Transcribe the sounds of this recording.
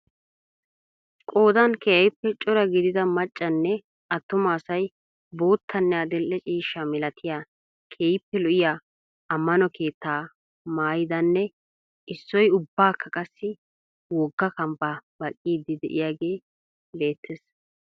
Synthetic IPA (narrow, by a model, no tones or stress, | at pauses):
kʼo̞ːd̪ɐnkeːjɪpːɛt͡ʃʼɔɾɐɡɪd̪ɪd̪ɐmɐt͡ʃʼːɐnːɛ | ɐt̪ːʊmaːsɐj | bo̞ːt̪ʰːɐnːɛɐd̪ɛlʔɛt͡ʃʼiːʃːɐmɪlɐt̪ʰɪja | kʰeːjɪpːɛlʊʔɪjaː | ɐmːɐnɔkʰe̞ːt̪ːaː | maːjɪd̪ɐnːɛ | ʔɪsːɔjʊbːaːkʰːɐkʼɐsːɪ | wɔɡːɐkɐmbabɐkʼːiːd̪ːɪd̪ɛ̰ʔɪ̰jaːɡeː | le̞ːt̪ʰːɛs